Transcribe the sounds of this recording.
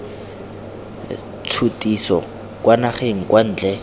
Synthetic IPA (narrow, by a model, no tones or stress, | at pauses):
t͡sʰutʼisɔ̰ | kʼwanaχeŋ̩kwan̩ːt͡ɬɛ